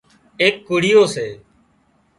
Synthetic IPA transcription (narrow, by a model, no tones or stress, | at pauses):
eːkːuːɽɪjoːseː